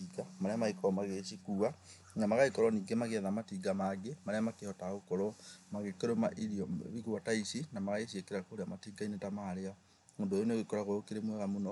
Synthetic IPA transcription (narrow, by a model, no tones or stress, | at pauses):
iɡamaɾɛamaikɔɔmaɣeʃikuːa | namaɣaikɔɾɔniːɡemaɣeaðamatiɡamaɡemaɾeamakehɔtaɣokɔɾɔmaɣekeɾoma̰ʔiɾiɔβiɣuataisinamaɣaeʃiekeɾakoɾeamatiːɡainetamaːɾea | moːndojoneoɣekɔɾaɣoɾokeɾemwɛɣamonɔ